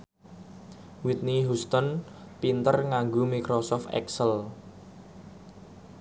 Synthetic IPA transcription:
wit̪̚niɦust̪ɔnpint̪ərŋaŋɡomikɾosɔft̪ɛ̰ksəl

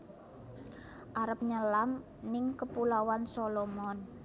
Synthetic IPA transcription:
ʔaɾəp̚ɲəlam | nɪŋkəpulawansolɔmɔn

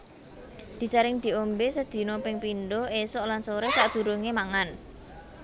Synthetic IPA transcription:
d̪̥i̤səɾɪŋd̪̥i̤ombesəd̪̥i̤nopɪŋpinɖoesɔʔlansoɾesaʔd̪̥ṳɾuŋemaŋan

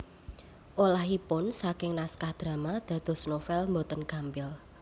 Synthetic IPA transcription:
ʔolahipʊnsakɪŋnaskahd̪̥ɾä̤mad̪̥ä̤d̪̥ɔ̤snofɛlmbot̪ənkampɪl

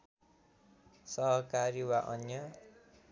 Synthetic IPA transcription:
sʌɦʌkaɾiwaʔʌnjʌ

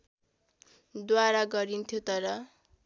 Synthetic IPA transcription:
d̪waɾaɡʌɾint̪ʰjot̪ʌɾʌ

